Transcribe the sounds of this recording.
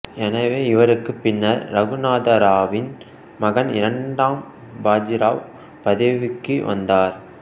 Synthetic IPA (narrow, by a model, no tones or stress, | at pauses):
ɛnɐʋeːɪʋɐɾɯkːɯpːɪnːɐɾːɐɣɯnaːd̪ɐɾaːʋɪn | mɐɣɐnɪ̰ɾɐɳɖaːm | baːd͡ʒɪɾaːʋ | pɐðɐʋɪkːɯʋɐ̰nd̪aːɾ